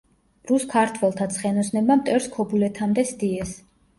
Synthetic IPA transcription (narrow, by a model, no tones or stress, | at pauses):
ɾuskʰaɾt̪ʰwɛlˠt̪ʰat̪sʰχɛnɔsnɛbamt̪ʼɛɾskʰɔbulɛt̪ʰamd̪ɛsd̪iɛs